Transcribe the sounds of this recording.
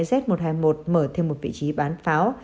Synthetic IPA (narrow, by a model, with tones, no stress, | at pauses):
zɛ˦˥t̚mo˨˩t̚haː˧jmo˨˩t̚məː˧˩t̪ʰe˧mːo˨˩t̚vḭ˧˨t͡ɕi˨˦ɓaː˨˦nfaː˨˦w